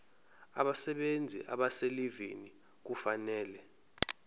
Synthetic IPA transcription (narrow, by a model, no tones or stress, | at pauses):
aɓasɛɓend͡zʱḭʔa̰ɓaselivḛni | k̬ufanɛːlɛ